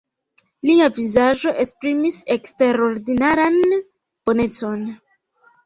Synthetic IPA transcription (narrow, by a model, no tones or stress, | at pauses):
liavizaʒo̞ʔe̞spɾimise̞kste̞ɾo̞ɾdinaɾan | b̥o̞ne̞t͡so̞n